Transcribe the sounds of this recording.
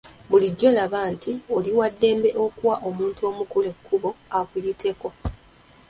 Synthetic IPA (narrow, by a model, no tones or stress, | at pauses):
βuliɟːo̞laβaːntio̞liwadːe̞ːmbe̞ʔo̞kuwaʔo̞muːntuo̞ːmukule̞kʰːuβo̞akulite̞ko̞